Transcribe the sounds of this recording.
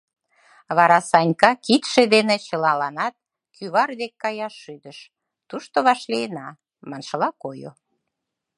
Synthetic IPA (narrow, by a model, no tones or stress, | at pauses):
βɑɾɑsɑnʲkɑkit̪ʃed̪enet͡ɕəlɑlɑnɑt̪̚ | kʰyβɑrd̪ekːɑjɑʃːyd̪əʃ | t̪uʃt̪oβɑʃliənɑ | mɑnʃəlɑkojo̰